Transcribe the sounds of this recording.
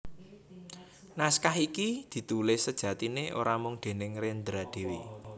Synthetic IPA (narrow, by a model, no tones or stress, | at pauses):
naskaɦikid̪̥i̤t̪ulɪhsəd̥ʒ̥ä̤t̪ineʔo̰ɾamʊŋd̪̥e̤nɪŋɾend̪ɾad̪̥e̤wi